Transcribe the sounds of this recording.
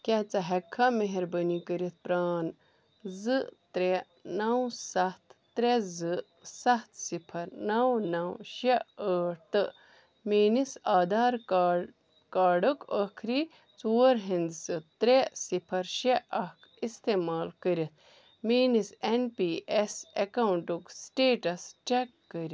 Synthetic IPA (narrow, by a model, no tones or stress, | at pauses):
kʲet͡sɐɦɐkʰːameɦeɾbənikəɾit̪̚ʰpɾaːn | zɨt̪ɾe | nɐwsɐht̪ʰːɾezɨ | sɐht̪ʰsipʰɐɾnɐwnɐwʃeəːʈ̪ɨ | meːnisaːd̪aːɾ | kaːɖukəkʰɾi | t͡suːɾɦindsɨt̪ɾesipʰɐɾʃeʔɐhk | ist̪emaːlkəɾit̪̚ʰ | miːnisenpiːʔesekɐwuɳʈuksʈeːʈɐst͡ʃekːəɾi